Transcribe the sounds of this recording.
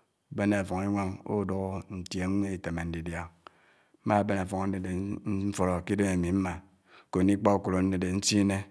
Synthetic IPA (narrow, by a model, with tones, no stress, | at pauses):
be˦ne˨a˨fɔ˨ŋi˦ŋʷe˦ŋo̰˦˨do˦ɣo˦n̩˨tje˨ŋ˦ŋʷe˦i˨te˨me˨n̩˦di˨dja˦ | m̩˦ma˦˨be˦ne˨fɔ˨ŋ˨n̩˦e˨de˨˦fo˨ɾo˨ki˦do˦me˨mi˨m̩˦ma˨ | ko˨ni˦k͡pa˦u˨ku˨lo˨n̩˦ne˦˨de˨n̩˦si˦ne˦